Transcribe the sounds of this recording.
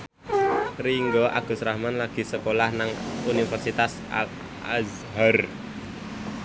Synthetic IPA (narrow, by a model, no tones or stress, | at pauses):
riŋɡɔʔa̰ɡ̥ṳsɾahmanlaɡ̥i̤səkolahnaŋunifɛrsit̪as | a̰ | a̰z | ɦar